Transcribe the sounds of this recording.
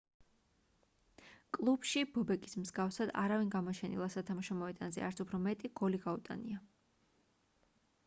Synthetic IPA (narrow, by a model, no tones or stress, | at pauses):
kʼlˠubʃibɔbɛkʼismzɡafsad̪a̰ɾavinɡamɔt͡ʃʰɛnḭlˠasat̪ʰamaʃɔmɔɛd̪ʼanzɛ̰a̰ɾt̪supʰɾɔmɛt̪ʼiɡ̥ɔliɡaut̪ʼa̰nḭa